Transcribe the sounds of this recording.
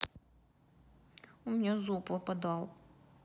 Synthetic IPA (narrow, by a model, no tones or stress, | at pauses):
umʲnʲɛzupɔpɐd̪ɑlˠ